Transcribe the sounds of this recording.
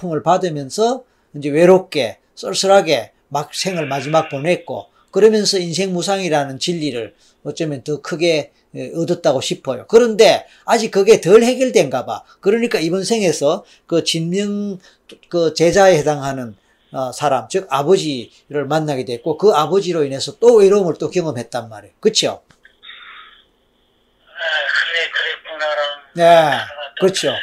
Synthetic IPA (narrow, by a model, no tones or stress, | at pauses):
pʰumɯɭpadɯmjʌnsʰʌ | ind͡ʑe̞we̞ɾok͈e̞ | s͈ʌɭs͈ʰɯɾɦaɡe̞ | mak̚sʰe̞ŋɯɭmad͡ʑimak̚ponɦe̞t̚k͈o̰ | kɯɾʌmjʌnsʰʌinsʰe̞ŋmus̬ʰaŋiɾanɯnt͡ɕiʎːiɾɯɭ | ʌt͡ɕ͈ʌmjʌntʌkʰɯɡe̞ | ɯdɯt̚t͈aɡoɕʰipʰʌjo̰kɯɾʌnde̞ | ad͡ʑik̚ːɯɡe̞tɯɭhe̞ɡjʌɭde̞nɡaba̰ | kɯɾʌɲik͈aibʌnsʰe̞ŋe̞sʰʌ | kɯt͡ɕinmjɯŋ | kɯt͡ɕe̞d͡ʑaehe̞daŋɦanɯn | ʌsʰaɾamt͡ɕɯkabʌd͡ʑi | ɾɯɭmanːaɡedwet̚k͈okɯabʌd͡ʑiɾoine̞sʰʌt͈oeɾomɯɭt͈okjʌŋɯmɦe̞t̚t͈anmaɾejokɯt͡ɕʰio̰ | ne̞kɯt͡ɕʰijo